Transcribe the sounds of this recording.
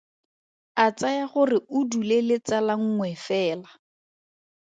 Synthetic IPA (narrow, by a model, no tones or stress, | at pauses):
at͡sajaχʊrɪʊdulelɪt͡salaŋ̩ŋwɛfɛːla